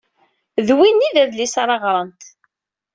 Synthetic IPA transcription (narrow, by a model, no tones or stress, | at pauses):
ðwinːiðæðlisaɾˤɑʁɾˤənt̪